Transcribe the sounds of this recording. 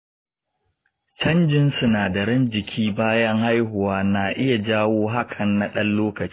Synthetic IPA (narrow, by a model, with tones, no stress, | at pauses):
t͡ʃɐ˦nd͡ʒɪ˦nsu˨naː˨dɐ˨ɾɪ˦nd͡ʒɪ˨kʲʰiː˦baː˦jɐ˦ŋha˦jɦʊ˨waː˦naː˨ʔɪ˦ja˨d͡ʒaː˦woː˦ɦa˦kʰɐ˨nːa˨ɗɐ˦nloː˦kɐ˨t͡ʃi˦